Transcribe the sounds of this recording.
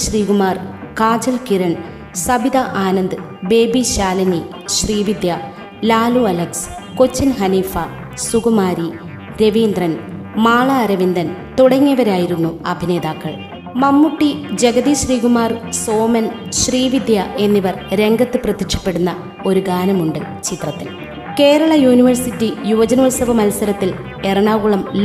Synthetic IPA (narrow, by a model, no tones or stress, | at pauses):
ɕriːɡumaːrkaːd͡ʑɐlkiɾɐɳ | sɐbʱid̪ɐʔaːnɐnd̪ɨ | be̞ːbiɕaːlɐni | ɕriːʋid̪jɐ | laːluɐlɐks | ko̞t͡ɕːɐnɦɐniːfɐ | suɡɐmaːɾi | ɾe̞ʋiːnd̪rɐn | maːɭɐːɾɐʋind̪ɐnt̪uɽɐŋːɐʋɐɾaːjiɾunːuɐbʱine̞ːd̪aːkːɐɭ | mɐmːuʈːid͡ʑeɡɐðiɕriːɡumaːrso̞ːmɐn | ɕriːʋid̪jɐʔe̞nːiʋɐrɾe̞ŋɡɐt̪ːɨprɐt̪ːikʂɐ̥pːe̞ɽunːɐ | o̞ɾuɡaːnɐmuɳɖɨ | t͡ɕit̪rɐt̪ːil | ke̞ːɾɐɭɐjuːniʋɐrsitːijuʋɐd͡ʑɐnoːlsɐbɐmɐlsɐɾɐt̪ːil | e̞rɐɳaːɡuɭɐml